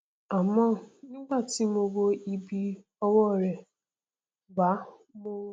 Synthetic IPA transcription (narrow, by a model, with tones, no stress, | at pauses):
a˨mɔ˦˨ni˦ɡʷa˦˨ti˦m̩˦o˦ɡo˦i˦bi˦ | ɔ˦wɔ˦˨ɾe˨ | ɡ͡ba˨˦ | mo˦